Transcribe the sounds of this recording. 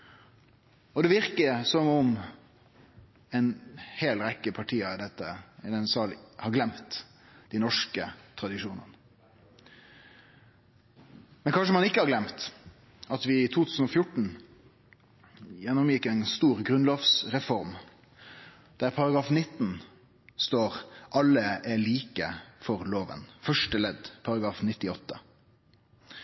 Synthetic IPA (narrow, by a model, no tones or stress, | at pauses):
ɔd̪ɛːʋɪʁkəsɔmʊm | ɛɪnheːlɾɛkːəpʰɑʈʰiːəɪd̪ɛt̪ːəd̪ɛnsɑːlhɑɾɡlɛmt̪ | d̪ɪnɔʂkət̪ʰɾɑd̪ɪʃuːnə̰nə | mɛnkʰɑnʂəmɑnɪkːəhɑɾɡlɛmt̪ | ɑt̪ʋɪt̪ʰuːt̪ʰʉːsn̩ɔfjʊʈɳ̩ | jɛnːɔmjɪkɛɪnst̪uːʁɡʁʉnlɔːʋsʁɛfɔʁm | d̪̥æɾpʰɑɾɑɡʁɑːfnɪt̪ːn | st̪oːʁʔɑlːəʔæɭiːkəfɔʁloːʋə̰nfœʂʈəlɛd̪pʰɑʁɑɡɾɑːfnɪt̪ːɪɔt̪ːə